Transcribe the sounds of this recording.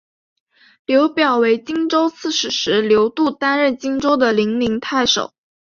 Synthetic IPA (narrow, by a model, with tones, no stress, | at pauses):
ljo˧˥ʊpjɑ˨˩ʊwe˧˥ɪt͡ɕi˥ŋʈ͡ʂo˥ʊt͡sʰɹ̩˥˩ʂɻ̩˨˩ʂɻ̩˧˥ljo˧˥ʊt̪u˥˩t̪a˥nɻə˥˩nt͡ɕi˥ŋʈ͡ʂo˥ʊd̪ə˨li˧˥ŋli˧˥ŋt̪ʰa˥˩ɪʂo̰˨˩˦ʊ